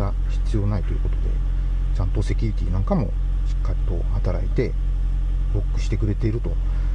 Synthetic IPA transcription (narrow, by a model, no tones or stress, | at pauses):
a | ɕi̥t͡sɨjo̞ːnait̪oiɯ̟ko̞t̪o̞d̪e̞̰ | t͡ɕãnt̪o̞se̞kʲuɾit̪ʲiːnãŋkamo̞ | ɕi̥kːaɾʲit̪o̞hat̪aɾait̪e̞ | ɾo̞kːɯ̟ɕi̥t̪e̞kɯ̟ɾe̞t̪e̞iɾɯ̟t̪o̞